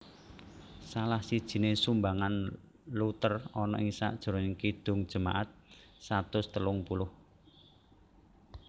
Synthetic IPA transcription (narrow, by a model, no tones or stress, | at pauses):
salahsid̥ʒ̥i̤nesumbaŋan | lut̪ərɔnɔʔɪŋsa̰ʔd̥ʒ̥ə̤ɾɔɪŋkid̪̥ʊ̤ŋd̥ʒ̥ə̤ma̰ʔat̪̚sat̪ʊst̪əlʊŋpulʊh